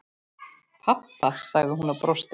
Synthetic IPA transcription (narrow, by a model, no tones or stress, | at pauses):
pʰap̪ːḁsaɣðɪɦunapɾowst̪